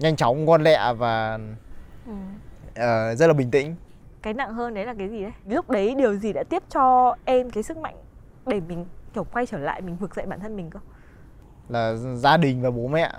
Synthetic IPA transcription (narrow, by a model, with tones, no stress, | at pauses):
ɲa˧jŋ̟t͡ɕa˨˦wŋ͡mkwa˧nlɛ̰˧˨vaː˨˩ | ʔɨ˨˩mʔəː˨˩zə˦˥t̚laː˨˩ɓï˨˩ŋ̟t̪ḭ̈˧˩˨ŋ̟ | kaː˨˦jna̰˧˨ŋɦəː˧nɗə˨˦jlaː˨˩kaː˨˦jzi˨˩ɗə˨˦jlʊ˦˥k͡p̚ɗə˨˦jɗi˨˩əwzi˨˩ɗa̰ː˧˥t̪i˦˥əp̚t͡ɕɔ˧ʔɛ˧mkaː˨˦jsɨ˦˥k̚ma̰˧˨jŋ | ɗe˧˩mï˨˩ŋ̟t͡ɕə˧˩ŋ͡mkwa˧jt͡ɕəː˧˩la̰ː˧˨jmi˨˩ŋ̟vɨ˨˩ək̚zə̰˧˨jɓaː˧˨t̪ʰə˧nmï˨˩ŋ̟kɨ˧ | laː˨˩zaː˧ɗï˨˩ŋ̟vaː˨˩ɓo˨˦mɛ̰˧˨